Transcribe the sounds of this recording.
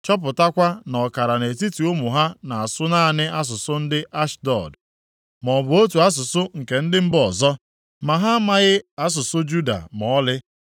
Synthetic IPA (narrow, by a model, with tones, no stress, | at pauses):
t͡ʃɔ˦p̬ʊ˨ta˦kʷa˦nɔ˨ka˨ɾa˨ne˨ti˦ti˨o˦mu˨ɦa˦na˨a˨sʊ˦naː˦˨nɪ˦a˦s̬ʊ˨sʊ˦n̩˦dɪ˦ʔa˦ʃdɔ̰˨d | mɔ˨bʊ˨o˦tu˨a˦s̬ʊ˨sʊ˦ŋ̩˨ke˨n̩˦dɪ˦m̩˦bɔ˨zɔ˦ | ma˨ɦa˦ma˦ɣɪ˦a˦s̬ʊ˨sʊ˦d͡ʒu˦da̰˨mɔ˨ɔ˦lɪ˦